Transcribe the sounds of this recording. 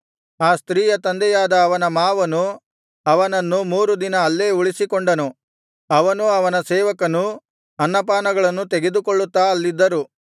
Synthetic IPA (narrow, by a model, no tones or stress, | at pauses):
aːst̪ɾiːjɐt̪ɐnd̪ɛjaːd̪ɐːʋɐnɐmaːʋɐnu | ɐʋɐnɐnːumuːɾud̪inɐːlːeːuɭisikoɳɖɐnu | ɐʋɐnuɐʋɐnɐsɛːʋɐkɐnu | ɐnːɐpaːnɐɡɐɭɐnːut̪eɡe̞d̪ukoɭːut̪ːaːɐlːid̪ːɐɾu